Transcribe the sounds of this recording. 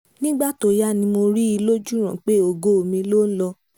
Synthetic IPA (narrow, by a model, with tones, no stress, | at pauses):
nĩ˦ɡ͡ba˦˨to˨ja˦˨nĩ˧mo˧ɾi˦i˧lo˦d͡ʒu˦ɾ̃ã˨k͡pe˦o˨ɡo˧˨o˨mĩ˧lo˦n̩˦lɔ˧